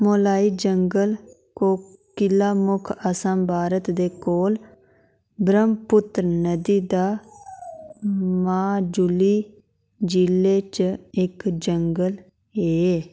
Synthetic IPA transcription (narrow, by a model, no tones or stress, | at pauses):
moːlaːiːd͡ʒəŋɡəl | koː | kɪlːaːmʊkʰəsãːmbʱaːɾət̪d̪eːkoːl | bɾəmpʊt̪ɾnəd̪iːd̪aː | mãːd͡ʒʊliː | d͡ʒilːeːt͡ʃɪkd͡ʒəŋɡəl | eː